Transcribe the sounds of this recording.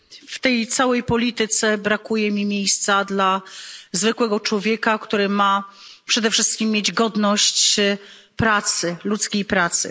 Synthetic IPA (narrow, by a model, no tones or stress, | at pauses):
ft̪ɛjt̪sawɛjpɔlʲit̪ɘt̪sɛbɾakujɛmʲimʲjejst̪sad̪lazvɘkwɛɡɔt͡ʂwɔvʲjɛkakt̪uɾɘma | pʂɛd̪ɛfʂɘst̪̚kʲimːʲjed͡ʑɡɔd̪nɔɕt͡ɕ | pɾat̪sɘlut̪skʲejpɾat̪sɘ̰